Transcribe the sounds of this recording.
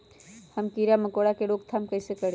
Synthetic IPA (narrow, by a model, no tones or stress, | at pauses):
həmkiɾaməkoɽakeɽokt̪ʰamkəɪsekəɽ